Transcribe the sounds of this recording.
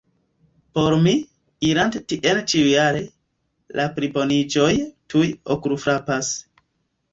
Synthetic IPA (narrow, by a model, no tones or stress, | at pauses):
po̞ɾmi | iɾantetiʔent͡ʃiujaɾe̞ | lʔapɾibo̞nid͡ʒo̞jtujo̰kuɾufɾapas